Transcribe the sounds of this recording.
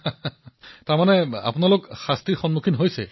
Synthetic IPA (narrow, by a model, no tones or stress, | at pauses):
taɹmanɛa̰pʊnalokxastɹiɹxɔnmukʰinɦojsɛ̰